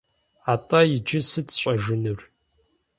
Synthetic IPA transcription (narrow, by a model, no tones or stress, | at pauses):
aːtʼajɪd͡ʒɪsɨtʰɕʼɐʒɨnɨr